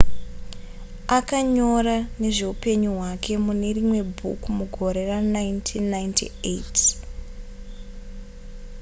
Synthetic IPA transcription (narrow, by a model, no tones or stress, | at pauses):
akaɲo̞ɾane̞ʐe̞upe̞ɲuɦwakʰe̞mune̞rimwe̞bʱṵkmuɡʱo̞ɾe̞ranajntʰinːajntʰḭet